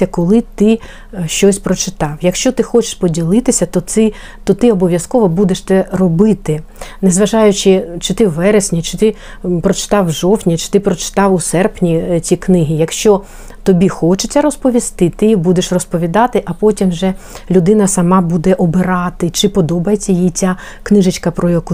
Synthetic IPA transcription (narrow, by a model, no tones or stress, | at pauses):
ɐkɔlˠɪt̪ɪ | ʃt͡ʃɔsʲpɾɔt͡ʃɪt̪ɑwjɐkʃt͡ʃɔt̪ɪxɔt͡ʃɪ̥ʃpɔdʲilˠɪt̪ɪsʲɐt̪ɔɪ | t̪ɔt̪ɪɔbɔʋʲjɐskɔʋɔbud̪eʃt̪ɛrɔbɪt̪ɪnɛzʋɐʒɑjʊt͡ʃɪt͡ʃɪt̪ɪwʋɛɾesʲnʲit͡ʃɪ̥t̪ɪ | pɾɔt͡ʃɪ̥t̪ɑwʒɔwtʲnʲit͡ʃɪ̥t̪ɪpɾɔt͡ʃɪ̥t̪ɑwʊsɛrpnʲit͡sʲiknɪɦijɐkʃt͡ʃɔ | t̪ɔbʲixɔt͡ʃet͡sʲɐɾɔspɔʋʲist̪ɪt̪ɪbud̪eʃrɔspɔʋʲid̪ɑt̪ɪʔɐpɔtʲimʒɛ | lʲʊd̪ɪnɐsɐmɑbud̪ɛʔɔbɪɾɑt̪ɪt͡ʃɪpɔd̪ɔbɐjet͡sʲːɐjjit͡sʲa | knɪʒɪt͡ʃkɐpɾɔjɐku